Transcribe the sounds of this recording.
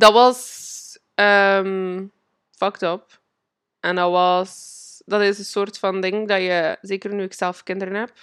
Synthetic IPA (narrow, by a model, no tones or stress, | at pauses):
dɑtʋɑs | əm | fɑktɔp̚ | ʔɛndɑwɑsdɑtɪsənsoːrtfɑndɪŋdɑjəzeːkərnyɪksɛlˠfkɪndəɾənɦɛp̚